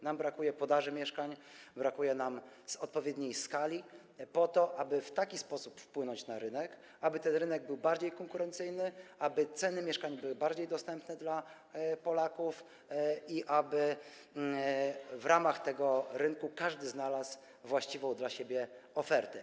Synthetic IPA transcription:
nambɾakujɛpɔd̪aʐɘmʲjɛʂkaɲbɾakujɛnamz̥ɔt̪̚pɔvʲjɛd̪ɲejskalʲi | pɔt̪ɔʔabɘft̪akʲispɔsupfpwɘnɔɲt͡ɕnaɾɘnɛk | abɘt̪ɛnɾɘnɛɡ̚bɘwbaɾd͡ʑejkɔŋkuɾɛnt̪sɘjnɘabɘt̪sɛnɘmʲjɛʂkaɲbɘwɘbaɾd͡ʑejd̪ɔst̪ɛmpnɛd̪la | pɔlakuf | iʔabɘ | vɾamaxt̪ɛɡɔɾɘŋkukaʐd̪ɘznalas | vwaɕt͡ɕivɔ̃w̃d̪laɕebʲjɛɔfɛɾt̪ɛ

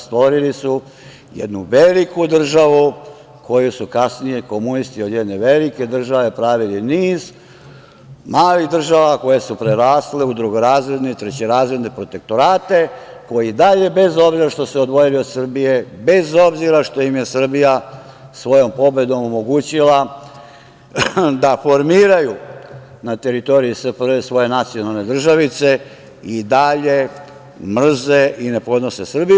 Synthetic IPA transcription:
st̪ʋo̞ɾilisu | jḛd̪nuʋelikud̪r̩ʒaʋu | ko̞jusukasnijeko̞munist̪iod̪jed̪neʋeliked̪r̩ʒaʋe̞pɾaːʋiliniːz | maːlid̪r̩ʒaʋako̞je̞supɾeɾaːsleud̪ɾuɡoɾaːzɾed̪nit̪ɾet͡ɕeɾaːzɾed̪nepɾo̞t̪e̞k̚t̪o̞ɾaːt̪e̞ko̞jid̪aʎe̞be̞zo̞bziɾaʃt̪o̞seod̪ʋo̞jiliosr̩bije̞be̞zo̞bziɾaʃt̪o̞jimje̞sr̩bija | sʋo̞jo̞mpo̞be̞d̪o̞momo̞ɡuːt͡ɕila | d̪afo̞ɾmiːɾaju | nat̪e̞ɾit̪o̞ɾiispɾesʋo̞je̞nat̪sijo̞nalne̞d̪r̩ʒaʋit̪se̞ | id̪aʎe̞ | mr̩zeʔine̞po̞d̪no̞sesr̩biju

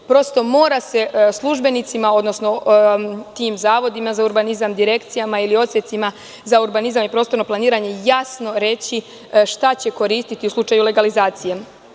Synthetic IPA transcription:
pɾo̞st̪o̞mo̞ːɾase̞slˠuʒbe̞nit̪simao̞d̪no̞sno̞ | t̪iːmzaːʋo̞d̪imazauɾbanizamd̪iɾe̞kt̪sijamailio̞t̪sjet̪sima | zauɾbanizamipɾo̞st̪o̞ɾno̞plˠaniːɾaɲe̞jasno̞ɾe̞t͡ɕi | ʃt̪at͡ɕe̞ko̞ɾiːst̪it̪iuslˠut͡ʃajule̞ɡalizaːt̪sije

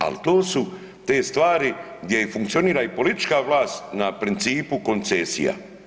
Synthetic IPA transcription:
a̰lt̪oːsu | t̪eːst̪ʋaːɾiɡd̪jeifuŋkt̪io̞niːɾaipo̞lit̪i̥t͡ʃkaʋlˠaːst̪napɾint̪siːpuko̞nt̪sesḭja̰

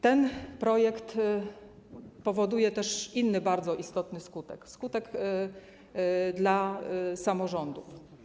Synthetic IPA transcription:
t̪ɛnpɾɔjɛkt̪ | pɔvɔd̪ujɛt̪ɛʂinːɘbaɾd̪zɔʔist̪ɔt̪nɘskut̪ɛ̰kskut̪ɛɡ | d̪lasamɔʐɔnd̪uf

